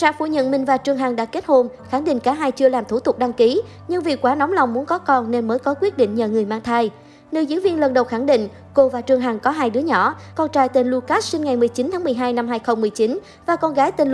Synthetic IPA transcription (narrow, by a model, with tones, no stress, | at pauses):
sa̰ː˧˥fṵ˧˩ɲə̰˧˨nmï˨˩ŋ̟vaː˨˩t͡ɕɨ˨˩əŋɦaː˨˩ŋɗa̰ː˧˥ke˦˥t̚ho˧n | xa˧˩ŋɗḭ˧˨ŋ̟kaː˧˩ɦaː˧jt͡ɕɨ˧əlaː˨˩mt̪ʰu˧˩t̪ʊ˨˩k͡p̚ɗa˧ŋki˨˦ | ɲɨ˧ŋvi˨˩kwaː˧˦nɔ˨˦wŋ͡mla˨˩wŋ͡mmu˨˦ənkɔ˨˦kɔ˧nne˧nməː˨˦jkɔ˨˦kwi˦˥ət̚ɗḭ˧˨ŋɲə̰ː˧˨ŋɨ˨˩əjmaː˧ŋt̪ʰaː˧j | ne˧˩jzɨ˨˧˦vi˧ənlə˨˩nɗə˨˩wxa˧˩ŋɗḭ̈˧˨ŋ̟ | ko˧vaː˨˩t͡ɕɨ˨˩əŋɦaː˨˩ŋkɔ˨˦ɦaː˧jɗɨ˨˦əɲɔ˧˩˨kɔ˧nt͡ɕa̰ː˧˨jt̪e˨˩nlu˧kaː˦˥s̚si˧ŋŋa˨˩jmɨ˨˩əjt͡ɕi˨˦nt̪ʰaː˨˦ŋmɨ˨˩əjɦaː˧jna˧mɦaː˧jxə˧wŋ͡mmɨ˨˩əjt͡ɕi˨˦n | vaː˨˩kɔ˧nɣaː˨˦jt̪i˨˩n